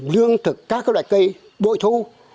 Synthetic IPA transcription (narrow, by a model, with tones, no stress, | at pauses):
lɨ˧əŋt̪ʰɨ˨˩k̚ːaː˦˥k̚ːaː˦˥ɗwa̰ː˧˨˩jkə˧j | ɓo̰˧˨jt̪ʰu˧